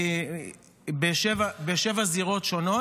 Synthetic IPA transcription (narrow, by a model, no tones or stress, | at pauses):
beʃevabeʃevaziʁo̞tʃo̞no̞